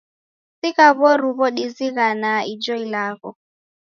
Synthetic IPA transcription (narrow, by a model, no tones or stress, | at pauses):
sikaβɔɾuβɔɗiziɣanaid͡ʒɔilaɣɔ